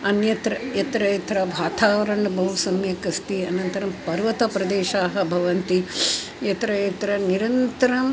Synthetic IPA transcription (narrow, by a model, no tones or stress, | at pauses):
ɐnjɐt̪ɾɐjɐt̪ɾɐjɐt̪ɾɐbʱaːt̪ʰaːʋɐɾɐɳɐbʱɐɦusɐmjɐkɐst̪iɐnɐnt̪ɐɾɐmpɐɾʋɐt̪ɐpɾɐd̪eːʃaːɦɐ̆bʱɐʋɐnt̪i | jɐt̪ɾɐjɐt̪ɾɐniɾɐnt̪ɐɾɐm